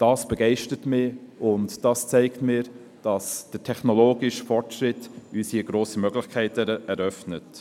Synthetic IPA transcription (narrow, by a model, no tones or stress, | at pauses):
d̥ɑːsb̥əɡɛɪʃtətmɪːʊntd̥ɑst͡sɛɪktmɪːɾ | d̥ɑsd̥ətʰɛχnɔloːɡɪʃfɔɹtʃɾɪtysiəɡ̥ɾoːsimœɡlɪχkʰæɪtəɛɾœfnət